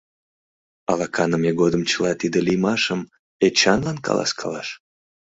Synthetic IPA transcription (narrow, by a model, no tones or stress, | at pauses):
ɑ̰lɑkʰɑnəmeɡod̪əmt͡ɕəlɑt̪id̪əlijmɑʃəm | et͡ɕɑnlɑnkɑ̰lˠɑ̰skʰɑlɑʃ